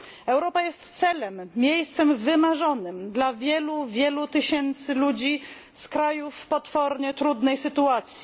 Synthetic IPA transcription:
ɛwɾɔpajɛst̪sɛlɛmːʲjejst̪sɛmvɘmaʐɔnɘmd̪lavʲjɛluvʲjɛlut̪ɘɕɛnt̪sɘlud͡ʑi | skɾajufpɔt̪fɔɾɲɛt̪ɾud̪nɛjsɘt̪uat̪sʲji

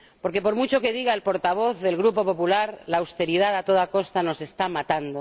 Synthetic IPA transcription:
po̞ɾke̞po̞ɾmut͡ʃo̞ke̞ðiɣaelpo̞ɾt̪aβ̞o̞θðe̞lɣɾupo̞po̞pulaɾlaːwst̪e̞ɾiðaðat̪o̞ðakost̪ano̞se̞st̪amat̪and̪o

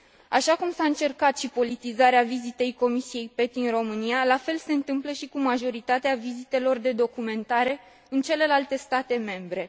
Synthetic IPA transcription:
aʃakumsaɨnt͡ʃe̞rkat̪ʃipo̞lit̪izaɾeavizit̪e̞jko̞misije̞jpe̞t̪̚d̪inro̞mɨnijalafe̞lse̞ɨnt̪ɨmpləʃikumaʒo̞ɾit̪at̪eavizit̪e̞lo̞rd̪e̞d̪o̞kume̞nt̪aɾe̞ | ɨnt͡ʃe̞le̞lalt̪e̞st̪at̪e̞me̞mbɾe̞

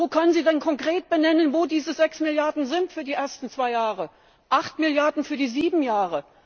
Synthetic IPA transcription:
oːkʰœnənziːdɛnkʰɔŋkʁ̥eːt̚b̥ənɛnənvoːdiːzəzɛksmɪljaɐdn̩zɪntfyːɐdiːʔeːɐstn̩t͡sv̥aɪjaːʁə | ʔaχtmɪljaɐdn̩fyːɐdiːziːbm̩jaːʁə

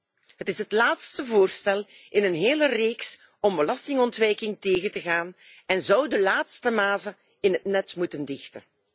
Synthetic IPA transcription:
ɦətɪsɦətlaːtstəvoːrstɛlˠɪnənɦeːləreːks | ɔmbəlɑstɪŋɔntʋɛjkɪŋteːɣəntəɣaːn | ɛnzʌwdəlaːtstəmaːzə | ɪnɦətnɛtmutəndɪxtə

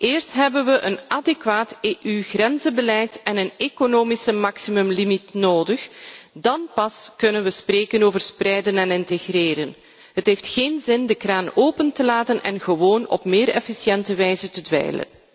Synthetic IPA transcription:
ʔeːrstɦɛbənʋəʔənʔadekʋaːteːʔyɣrɛnzəbəlɛjtɛnənekonoːmisəmɑksimɵmlimitnoːdəxdɑnpɑskɵnənʋəspreːkənoːvərsprɛjdənɛnɪnteɣreːɾən | ɦətɦeːftxeːnzɪndəkraːnoːpəntəlaːtənɛ̰nɣəʋoːnɔ̰pmeːɾɛ̰fisjɛntəʋɛjzətədʋɛ̰jlə̰n

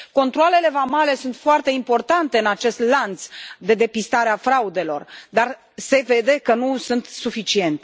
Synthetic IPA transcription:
ko̞nt̪ɾoale̞le̞vamale̞sunt̪foart̪e̞impo̞rt̪ant̪e̞ɨnat͡ʃe̞st̪lant̪sd̪e̞d̪e̞pist̪aɾeafɾaud̪e̞lo̞̰rd̪ar | se̞ve̞d̪e̞kənusunt̪sufit͡ʃie̞nt̪e

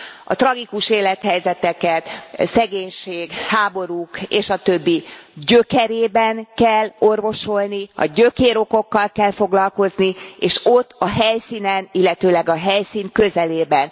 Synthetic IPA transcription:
ɒ̰t̪rɒɡikuʃeːlɛt̪hɛjzɛt̪ɛkɛt̪sɛɡeːɲʃeːɡhaːbo̞ɾukeːʃɒt̪ø̞bːiɟøkɛɾeːbɛnkɛlːo̞rvo̞ʃo̞lniɒ̰ɟøkeːɾo̞ko̞kːɒlkɛlfo̞ɡlɒlko̞znieːʃo̞t̪ːɒɦɛjsinɛnilːɛt̪øːlɛɡɒɦɛjsiːŋkøzɛleːbɛn

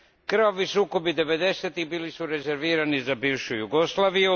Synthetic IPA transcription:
kɾoʋisuːko̞bid̪e̞ʋe̞d̪e̞set̪ibiːlisuɾe̞ze̞ɾʋiːɾanizabiːʋʃujuɡoslˠaːʋiju

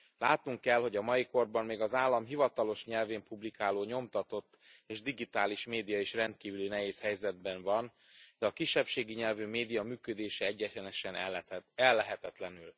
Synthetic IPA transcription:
laːt̪nuŋkːɛlho̞ɟɒmɒiko̞rbɒmːeːɡɒzaːlːɒmɦivɒt̪ɒlo̞ʃɲɛlveːmpublikaːloːɲo̞mt̪ɒt̪o̞t̪ːeːʒd̪iɡit̪aːliʃmeːd̪ijɒeʃrɛnt̪̚kiːvylinɛɦeːshɛjzɛd̪̚bɛɱvɒn | d̪̥ɛɒkiʃːɛpʃeːɡiɲɛlvymeːd̪ijɒmyːkød̪eːʃɛɛɟːɛɛnɛʃɛnɛlːɛɦɛt̪ɛt̪lɛnyl

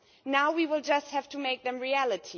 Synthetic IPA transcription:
naʊwiwɪlˠd͡ʒʌst̚hæv̥tumeɪk̚ðɨ̃mɹiælˠɨtʰi

